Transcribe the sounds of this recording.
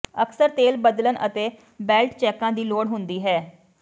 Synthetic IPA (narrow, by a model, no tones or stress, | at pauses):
əksəɾt̪eːlbəd̪lənʔə̰t̪eː | bɛːlʈt͡ʃɛːkãːd̪iːloːɽɦʊnd̪iːɦɛː